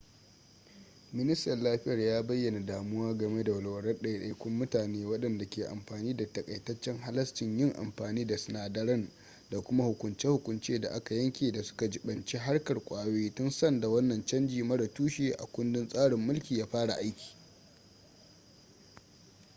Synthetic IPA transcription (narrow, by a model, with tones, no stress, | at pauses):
mɪ˦nɪ˦stɐ˨rlaː˦ɸɪ˦jɐ˨rjaː˦bɐ˦jːɐ˨na˨daː˨mʊ˦waː˦ɡɐ˨me˦da˨wɐ˨lwɐ˨ɽɐ˦rɗɐ˦˨jɗɐ˨kʷʊ˦mːʊ˦taː˨neː˦wɐ˦ɗɐ˨nda˨kʲeː˨ʔa̰˨mɸaː˨niː˦da˨tɐ˨kʼɐ˨jtɐ˦t͡ʃːɛ˦ŋɦa˦lɐ˦stɪ˨ɲjɪ˦ŋʔa̰˨mɸaː˨niː˦da˨sɪ˨naː˨dɐ˦ɽɐ˦n | da˨kʷʊ˦ma˦hʊ˨kʷʊ˨nt͡ʃe˦hʊ˨kʷʊ˨nt͡ʃeː˦da̰˨ʔa˦ka˨jɐ˦ŋkʲeː˨da˨sʊ̥˦ka˨d͡ʒɪ˦ɓɐ˨nt͡ʃi˦ɦa˦rkɐ˨rkʷʼaː˨weː˦tʊ˦nsɐ˦nda˨wɐ˦nːɐ˨nt͡ʃɐ˦nd͡ʒiː˨mɐ˦ɽɐ˨tuː˦ʃeː˨ʔa̰˨kʷʊ˦ndɪ˦nsʼaː˦ɽɪ˨mːʊ˦lkʲiː˨jaː˦ɸaː˦ɽa̰˨ʔa˦jkʲi̥ː˨